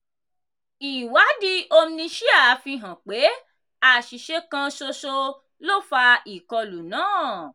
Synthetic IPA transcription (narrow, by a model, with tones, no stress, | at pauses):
i˨wa˨˦di˧o˧m̩˦nĩ˧ʃi˦a˦˨˦fĩ˧ɦã˨k͡pe˨˦ | a˨ʃi˨ʃe˧kã˧so˧so˧ | lo˦˨fa˧i˨kɔ˧lu˨nãː˦˨